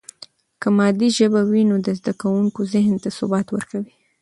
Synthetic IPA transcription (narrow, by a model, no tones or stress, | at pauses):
kəmɑd̪iʒəbawinod̪əzd̪akawuŋkozɪɦnt̪asʊbɑt̪wəɾkawi